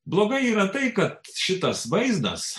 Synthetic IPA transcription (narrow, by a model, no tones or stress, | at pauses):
blˠoːɡɐɪiːɾɐt̪ɐɪkɐt̪ʃʲɪt̪ɐsʋɐɪznɐ̰s